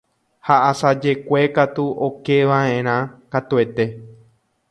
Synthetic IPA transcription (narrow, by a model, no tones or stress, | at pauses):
haʔasad͡ʒe̞kʷe̞kat̪uʔokeʋãẽɾ̃ãkat̪ue̞t̪e̞